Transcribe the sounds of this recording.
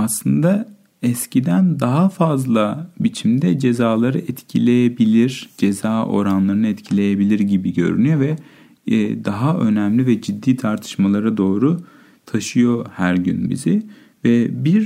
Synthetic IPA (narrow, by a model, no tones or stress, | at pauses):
aslˠɯnd̪a | ɛscʰid̪ænd̪aɦafazlˠabit͡ʃʰimd̪ɛd͡ʒe̞zaːlˠaɾɯʔɛt̪cʰilʲe̞jebilʲiɾd͡ʒe̞zaːʔo̞̰ɾanlˠaɾɯnɯɛt̪cʰilʲe̞jebilʲiɾɟibiɟø̞̰ɾy̰nyjo̞vɛ | d̪aɦaø̞̰næmlʲivɛd͡ʒid̪ːiːt̪ʰaɾt̪ʰɯ̥ʃmalˠaɾad̪o̞ːɾu | t̪ʰaʃɯjo̞hæɾɟy̰nbḭzɪ | vɛbiɾ